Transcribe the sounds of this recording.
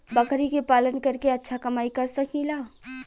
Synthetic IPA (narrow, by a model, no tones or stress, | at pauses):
bɐkʰɾikepaːlənkɐɾkeɐtːʃʰakɐmaːikɐɾsɐkiːlaː